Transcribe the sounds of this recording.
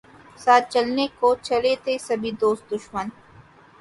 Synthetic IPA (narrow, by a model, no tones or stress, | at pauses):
saːt̪̚t͡ʃɐlnekot͡ʃɐlet̪esɐbʱid̪oːst̪̚d̪ʊʃmən